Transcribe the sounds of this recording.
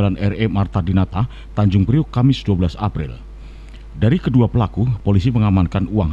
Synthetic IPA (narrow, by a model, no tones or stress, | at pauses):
lanʔɛremart̪adinat̪a | t̪aɲd͡ʒʊŋpɾiʊkamɪsduabəlasa̰pɾɪ̰l | daɾikəduapəlakupolisiməŋamankanuaŋ